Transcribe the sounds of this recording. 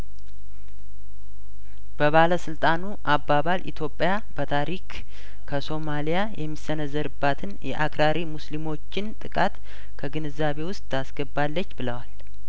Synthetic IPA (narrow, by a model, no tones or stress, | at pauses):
b̥əβaləsɨlt̪ʼanuʔabːaβalʔḭt̪ʰjo̞pʼja | b̥ət̪ʰaɾik | kʰəso̞malijajɛmːisːənəzːəɾɨbːat̪ʰɨnjɛ̰ʔakɾaɾimuslimo̞t͡ʃːɪnt̪ʼɨkʼat̪ | kʰəɡɨnɨzːaβe̞wʊst̪ʼasɡəbalːət͡ʃːbɨləwal